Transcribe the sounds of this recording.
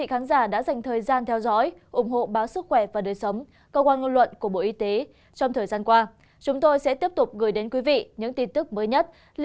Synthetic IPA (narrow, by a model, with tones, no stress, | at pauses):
ḭ˧˨xaː˨˦nzaː˧˩ɗa̰ː˧˥za˨˩jŋ̟t̪ʰəː˨˩jzaː˧nt̪ʰɛ˧wzɔ̰˧˥jʔʊ˧˩ŋ͡mɦo̰˧˨ɓaː˨˦wsɨ˦˥k̚xwɛ˧˩vaː˨˩ɗəː˨˩jsə˨˦wŋ͡m | kəː˧kwaː˧nŋə˧nlwə̰˧˨nku˧˩əɓo̰˧˨ʔi˧˦t̪e˨˦ | t͡ɕɔ˧ŋ͡mt̪ʰəː˨˩jzaː˧nkwaː˧ | t͡ɕʊ˨˦ŋ͡mt̪o˧jsɛ̰˧˥t̪i˦˥əp̚t̪ʊ˨˩k͡p̚ɣɨː˨˩jɗe˨˦nkwi˨˦vḭ˧˨ɲɨ̰˧˥ŋt̪i˧nt̪ɨ˦˥k̚məː˨˦jɲə˦˥t̚ | l